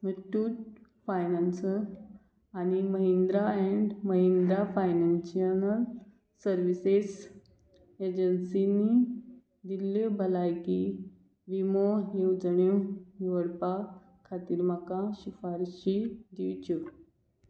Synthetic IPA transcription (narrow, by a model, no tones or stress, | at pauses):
məʈuːʈ | fajnansə | animəɦĩnd̪ɾaɛ̃ɳɖməɦĩnd̪ɾafajnanɕiənəl | səɾʋises | ed͡ʑənsini | d̪ilːebʱəlajki | ʋimoɦewd͡zəɳjõjiʋəɽpa | kʰat̪iːɾmakaɕifaɾɕid̪iwt͡ɕu